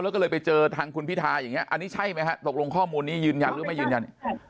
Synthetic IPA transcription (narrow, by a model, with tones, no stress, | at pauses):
lɛː˦˥k̬ːlɤː˧jpa˧jt͡ɕɤː˧t̪ʰaː˧ŋkʰu˧npi˦˥t̪ʰːaː˧ja˨˩ŋːi˦˥ɐʔa˧nːiː˦˥t͡ɕʰa˥˩jma˦˥jkʰa˦˥t̪o˨˩k̚lo˧ŋkʰɔː˥˩muː˧nːiː˦˥jɯː˧nja˧nɾɯː˦˥ma˥˩jɯː˧nja˧n